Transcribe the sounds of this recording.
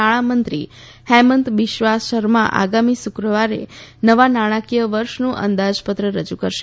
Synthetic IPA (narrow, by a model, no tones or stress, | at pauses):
aɭ̃amənt̪ɾi | hɛmənt̪ʋɪʃʋasʃəɾmã̰ʔa̰ɡamisukɾəʋaɾḛnəʋanaɽ̃akijəʋəɾʃnũʔə̰nd̪ad͡ʒpət̪ɾəɾəd͡ʒukəɾʃe